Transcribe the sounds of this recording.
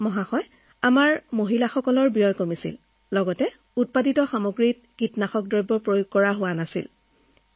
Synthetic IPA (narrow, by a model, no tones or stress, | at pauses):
mɔɦaxɔj | amaɹmoɦilaxɔkɔlɔɹbijɔjkomisḭl | lɔɡɔtɛ | ut̚paditɔxamoɡɹit̚ | kitnaxɔk̚dɹɔjbːɔpɹojuɡ̚kːɔɹaɦʊwanasḭl